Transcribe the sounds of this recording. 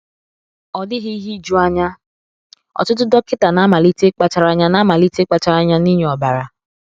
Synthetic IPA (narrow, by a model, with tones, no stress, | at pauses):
ɔ˨dɪ˦ɦi˦i˦ɦi˦d͡ʒu˦a˦ɲa˦ | ɔ̰˨tʊ˦t̬ʊ˦dɔ˦kɪ˦ta˨na˦ma˨li˦te˦k͡pa˨t͡ʃa˨ɾa˦ɲa˦na˦ma˨li˦te˦k͡pa˨t͡ʃa˨ɾa˦ɲa˦ni˦ɲe˨ɔ˨ba˨ɾa˨